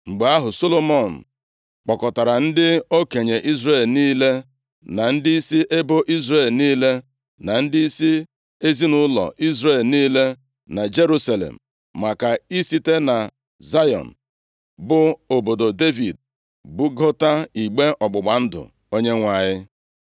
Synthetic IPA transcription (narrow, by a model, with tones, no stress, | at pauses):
ŋ͡m̩˨ɡ͡be˨a˦ɦʊ˨so˦lo˦mɔ˨n̩˨ | k͡pɔ˨kɔ˨ta˨ɾa˨n̩˦dɪ˦o˦ke˨ɲe˨ʔi˦zɾe˨lniː˦le˦ | na˨n̩˦dɪ˦i˦si˦ʔe˦bo˦ʔi˦zɾe˨lniː˦le˦ | na˨n̩˦dɪ˦i˦si˦ | e˦zi˦nʊ˦lɔ̰˨ʔi˦zɾe˦˨lniː˦le˦ | na˨d͡ʒe˦ɾu˦sa˨lḛ˨m̩˨ | ma˨ka˨i˦si˦te˦na˨ | za˦jɔ̰˨n̩˨ | bʊ˦o˨bo˨do˨de˦vi˨d | bʊ˦ɡɔ˦ta˦i˨ɡ͡be˦ʔɔ˨ɡ͡bʊ˨ɡ͡ba˨n̩˦dʊ̰˨ | o˦ɲe˦ŋʷa˨ɲɪ˦